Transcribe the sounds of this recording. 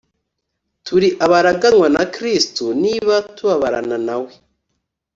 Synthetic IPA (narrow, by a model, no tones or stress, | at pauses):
tuɾiʔaβaɾaɡanwanakɾistuniβatuβaβaɾa̰nanawe